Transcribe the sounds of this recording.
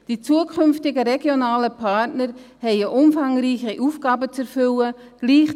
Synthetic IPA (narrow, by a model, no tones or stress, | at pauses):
d̥iːt͡suːəkʰʏnftɪɡəɾɛɡjonaːləpʰatnəɾhɛɪəʔʊmfaŋriːçəʔuːfɡ̥aːbət͡sɛɾfʏləɡ̥liːχ